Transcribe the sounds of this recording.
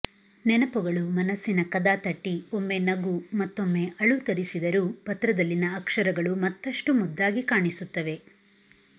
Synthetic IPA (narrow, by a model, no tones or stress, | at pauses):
nɛnɐpuɡɐɭumɐnɐsːinɐkɐd̪aːt̪ɐʈːio̞mːe̞nɐɡumɐt̪ːo̞mːe̞ʔɐɭut̪ɐɾisid̪ɐɾupɐt̪ɾɐd̪ɐlːinɐːkʂɐɾɐɡɐɭumɐt̪ːɐʂʈumud̪ːaːɡikaːɳisut̪ːɐʋe̞